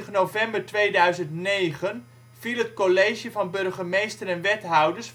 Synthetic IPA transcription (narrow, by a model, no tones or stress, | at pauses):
χənowvɛmbəɹtʋejdœɥzəntnejχən | v̥ilˠɦətkolejʒjəvɑnbɵrχəmejstəɾɛnʋɛtɦɔwdəɹs